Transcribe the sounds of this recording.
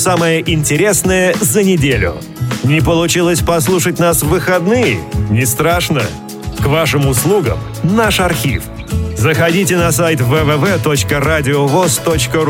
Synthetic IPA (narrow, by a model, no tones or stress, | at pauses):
saməjəʔɪnʲtʲɪɾʲe̞snəjəzənʲɪdʲelʲʊ̰ | nʲɪpəlˠʊt͡ɕilˠəsʲpɐslˠuʂətʲnasvɨxɐd̪nɨjɪ̰nʲɪst̪ɾaʂnə̰ | kvaʂɨmʊslˠuɡə̰m | naʂɐrxʲḭf | zəxɐdʲitʲɪnɐsajt̪vɛvɛvɛt̪ot͡ɕkəɾadʲɪovost̪ot͡ɕkə